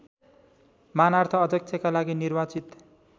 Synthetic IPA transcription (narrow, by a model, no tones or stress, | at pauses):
manart̪ʰʌʌd̪ʌk̚sʰʌkalaɡinirbat͡sit̪